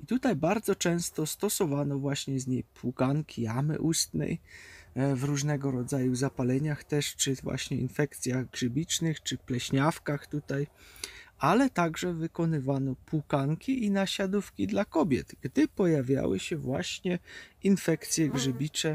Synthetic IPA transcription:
it̪ut̪ajbaɾd̪zɔt͡ʂɛ̃w̃st̪ɔst̪ɔsɔvanɔvwaɕɲɛzɲejppʰwukaŋkʲʰijamɘ̰ʔust̪nɛ̰j | vɾuʐnɛɡɔɾɔd̪zajuzapalɛɲaxt̪ɛʂt͡ʂɘvwa̰ɕɲɛḭnfɛkt̪sʲjaɣɡʐɘbʲit͡ʂnɘxt͡ʂɘplɛɕɲafkaxt̪ut̪aj | alɛt̪aɡʐɛvɘkɔnɘvanɔpukaŋkʲiʔinaɕad̪ufkʲid̪lakɔbʲjɛ̰d̪̥ɡ̥d̪ɘpɔjavʲja̰wɘ̰ɕɛvwa̰ɕɲɛinfɛkt̪sʲjɛɡʐɘbʲit͡ʂɛ

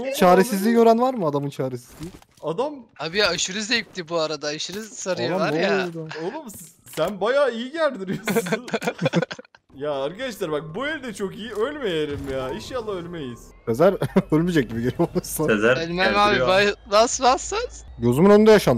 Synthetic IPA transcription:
t͡ʃʰaːɾesizlʲijo̞ɾanvaɾmɯad̪amɯnt͡ʃʰaːɾesizlʲii | ad̪amhabiaʃɯɾɯzejip̚t̪ʰibuaɾad̪aːʃɯɾɯzsaɾɯjɯalˠaaojˠad̪aolˠumssænbajaːijiɟæɾd̪iɾijou | jaaɾkad̪aʃ̬lˠaɾbak̚bujeɾid̪ɛt͡ʃʰo̞kijiølʲmejeɾimjaːiʃjalˠaølʲmejiz̥ | pʰezæɾølʲmid͡ʒɛc̚ɟibiɟeɾɛolˠsaezæɾølʲmæabibavasvasḁɟo̞zumunønynd̪ɛjaʃan

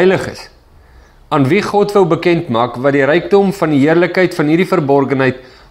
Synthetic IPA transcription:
jləχə̰s | ɑːnviχɔtvəwbəkɛntmɑːkvɐdiɾəjk̚dɔmfɐndiɦiərləkɦəjtfɐnɦiɾdifərbɔrχənɦəjt

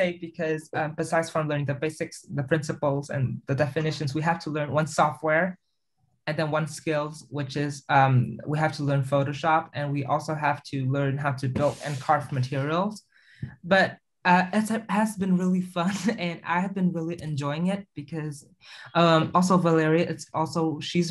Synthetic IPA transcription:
seɪbɨkʰʌzʌ̃mb̥ɨsaɪdz̥fɹʌ̃mlɜ̃˞ñɪ̃ŋðɨbeɪsɨksðɨpʰɹ̥ɪ̃nsɨpl̩ˠzɨ̰̃nðɨdɛfɨnɪʃɨ̃nzwiɦæftʰəlɜ̃˞nwʌ̃nsɔft̚wɛɹ | ɨ̃nðɨ̃nwʌ̃nskɪlˠzwɪt͡ʃɪzʌ̃mwiɦæftʰəlɜ̃˞nfoʊɾoʊʃɑpɨ̃nwiʔɔ̰lˠsoʊɦæftʰɨlɜ̃˞nɦaʊɾɨbɪlˠdɨ̰̃nkʰɑɹtmɨtʰɪɹil̩ˠz̥ | b̥ʌɾ | ʌɪtshɨzbɨ̃nɹɪlˠifʌ̃nɨ̃na̰ɪɨvbɨ̃nɹɪlˠiʔɨ̃nd͡ʒɔɪɪ̃ŋɪt̚b̥ɨkʰʌz | ʔʌ̃mɔlˠs̬oʊvəlɛɹiɨʔɨtsɔlˠsoʊʃiz

